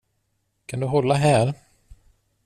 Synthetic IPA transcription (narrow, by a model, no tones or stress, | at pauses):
kʰand̪ɵɦɔlːaɦæːɾ